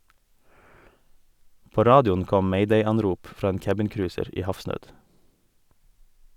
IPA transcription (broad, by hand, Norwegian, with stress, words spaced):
ˈpoː ˈɾɑːdɪʊn ˈkɔm ˈmɛɪdɛɪˌɑnɾʊp ˈfɾɑː ˈeːn ˈkæbɪnˌkɾʉːsəɾ ˈiː ˈhɑfsnøːd